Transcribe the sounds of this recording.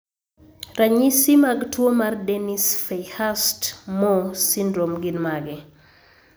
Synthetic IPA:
raɲisimaɡtwomardenisfɛjhastmɔsindɾomɡinmaɡɛ

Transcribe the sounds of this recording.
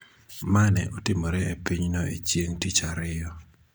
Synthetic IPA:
manɛ̰ʔɔtɪmɔɾɛepiɲnɔḛt͡ʃjeŋtit͡ʃaɾɪjɔ

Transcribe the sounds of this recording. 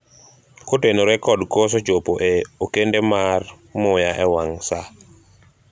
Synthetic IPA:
kotenoɾɛkɔdkos̬ɔd͡ʒopoʔeokendemar | mʊjaʔɛwaŋsa

